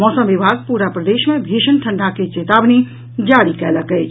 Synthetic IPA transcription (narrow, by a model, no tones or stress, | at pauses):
mɔːsəmʋɪbʱaːɡ̚puːɾapɾəd̪eːʃmẽbʱiːʃənʈʰə̃ɳɖʱaket͡ʃeːt̪aːbni | d͡ʒaːɽikɛːləkə